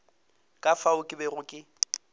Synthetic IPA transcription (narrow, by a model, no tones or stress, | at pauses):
kʼafaʊkʼɪbɛrʊkʼɪ